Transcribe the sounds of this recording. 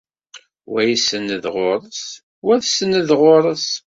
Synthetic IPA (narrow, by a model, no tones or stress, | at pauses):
wæjisənːəðʁoɾˤəs | wæðsənəðʁoɾˤəs